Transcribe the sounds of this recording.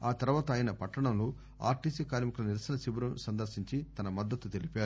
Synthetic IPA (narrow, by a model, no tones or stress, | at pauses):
aːt̪ɐɾʋaːt̪ɐːjɐnɐpɐʈːɐɳɐmlu | a̰ːɾʈiːsiːkaːɾmikulɐniɾɐsɐnɐsibɐɾɐmsɐnd̪ɐɾʃiɲt͡ʃit̪ɐnɐmɐd̪ːɐt̪ːut̪e̞lipaːɾu